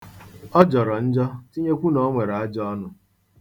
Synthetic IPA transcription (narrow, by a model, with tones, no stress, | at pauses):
ɔ˦d͡ʒɔ˨ɾɔ˨n̩˦d͡ʒɔ˦ti˦ɲe˦kʷu˦nɔ˦ŋʷe˨ɾa˨a˦d͡ʒɔ˦nʊ˦